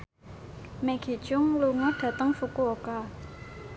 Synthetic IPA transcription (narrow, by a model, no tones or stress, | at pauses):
mɛɡ̥e̤̥t͡ʃʊŋluŋəɖ̥ä̤t̪əŋfukooka